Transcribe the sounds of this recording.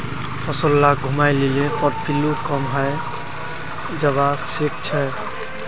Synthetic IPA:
hɔsolːaɡʱumajlelẽpɔɾpʰilukɔmɦəj | d͡ʒəβasik̚t͡ʃʰɛ

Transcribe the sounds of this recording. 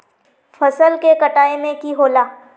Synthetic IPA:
fʰɐsəlkekɐʈaːemẽkiɦoːlaː

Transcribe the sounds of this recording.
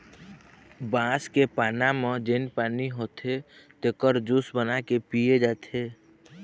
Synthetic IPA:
bãːskepaːnamẽd͡ʒenpaːniɦoːt̪ʰet̪ekəɾd͡ʒusbənakepied͡ʒaːt̪ʰeː

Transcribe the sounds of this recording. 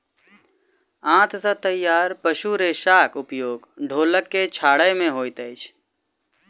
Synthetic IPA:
ãːt̪sət̪əɪjaːɾpəʃuɾeʃaːkʊpjoːɡɖʱoːləkːet͡ʃʰaːɽəjmẽɦoːjt̪əɪt͡ʃʰ

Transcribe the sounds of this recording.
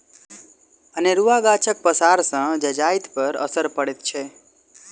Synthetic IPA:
əneɾuʋaɡat͡ʃʰək̚pəsaɾsə̃d͡ʒəd͡ʒajt̪pəɾə̰səɾpəɽet̪t͡ʃʰe

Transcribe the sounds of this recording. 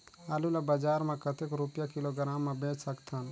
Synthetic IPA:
alulabəd͡ʒaɾmekət̪ekɾupjakiloɡɾamːebẽt͡ʃsəkt̪ʰən

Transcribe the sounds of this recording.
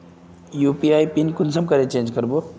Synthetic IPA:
jupiajpinkunsəmkəɾẽt͡ʃẽːnd͡ʒkəɾbo

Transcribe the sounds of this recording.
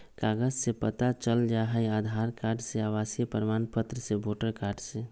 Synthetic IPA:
kaɡəd͡ʒsẽpət̪at͡ʃəld͡ʒaɦəjad̪ʱaɾkaɾɖseaβasijəpəɾəmanpət̪ɾəsẽboʈəɾkaɾɖsẽ

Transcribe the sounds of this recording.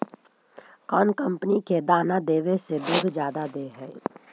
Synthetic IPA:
kɔːnkə̃mpniked̪aːnad̪eːʋeseb̪ʊɡ̪ʱd͡ʒjaːd̪ad̪eːɦɛː

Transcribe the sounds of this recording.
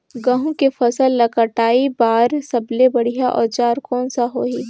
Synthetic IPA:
ɡəɦũkefʰɐsəlːɐkəʈaːibaːɾsɐblebɐɽ̤ijaʔɔːɾt͡ʃaːɾkɔːnsaɦoːɦiː

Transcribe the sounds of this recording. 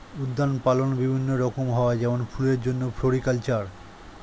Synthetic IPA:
ud̪ːanpalonbibʱinːoɾɔkomɦɔoad͡ʑɛmonfʰuleɾd͡ʑonːofʰoɾikalt͡ɕaɾ

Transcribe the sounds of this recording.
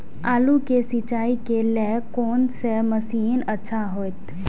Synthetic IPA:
aːlukesit͡ʃaːikelɛːkoːnseməsiːnətːʃʰaɦoːɪt̪

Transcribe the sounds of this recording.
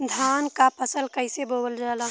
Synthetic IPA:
d̪ʱaːnkapəsəlkəɪseboːbəld͡ʒaːlaː

